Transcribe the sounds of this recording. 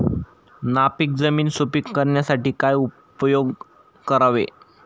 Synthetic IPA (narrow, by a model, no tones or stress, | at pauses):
napik̚d͡zəmiːnsopikːəɾɳjasaʈiːkaju | pjoɡ | kəɾaʋḛ